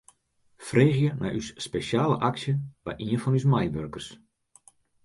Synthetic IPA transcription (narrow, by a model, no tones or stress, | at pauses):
freːɣjənʔa̰jʔysːpesjaːlə̰ʔaksjəʋɛ̰jʔiənfɔnysmajʋørkərs